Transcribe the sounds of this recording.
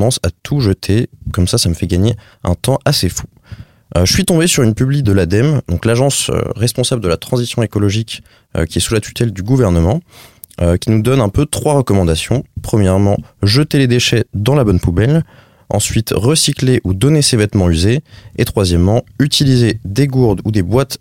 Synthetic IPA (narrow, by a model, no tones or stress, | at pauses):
ɑ̃sat̪ʰuʒət̪ʰekɔmsasaməfɛɡaɲe | ɛ̃t̪ɑ̃ʔasefu̥ | ʒəsɥit̪ɔ̃besyʁynpyblid̪əlad̪ɛmd̪ɔ̃klaʒɑ̃sʁɛspɔ̃sabləd̪əlat̪χɑ̃zisjɔ̃ekɔlɔʒik | ø̰kʲiɛsulat̪y̥t̪ɛld̪yɡuvɛʁnəmɑ̃ | økʲinud̪ɔnɛ̃pøt̪χwaʁəkɔmɑ̃d̪asjɔ̰̃pχəmjɛʁmɑ̃ʒət̪eled̪eʃɛd̪ɑ̃labɔnpubɛl | ɑ̰̃sɥit̪ʁəsikleʔud̪ɔnesevɛt̪mɑ̃yzeet̪χwazjɛmːɑ̃yt̪ilized̪eɡuʁd̪ud̪ebwat̪